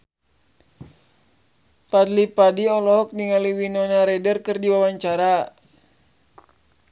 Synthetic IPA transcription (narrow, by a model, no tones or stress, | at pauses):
padlipadiɔlɔɦɔk̚niŋaliwinɔnaɾɛdərkɨrdiwawaɲt͡ʃaɾa